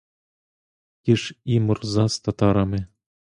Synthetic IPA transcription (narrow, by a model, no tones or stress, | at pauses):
kiʂimɤrzɑst̪ɑt̪ɑɾɑmʲe